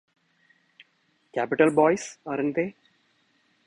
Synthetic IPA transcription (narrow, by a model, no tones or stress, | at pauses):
kæpɪʈəlbɔːɪsɐɾɪnt̪e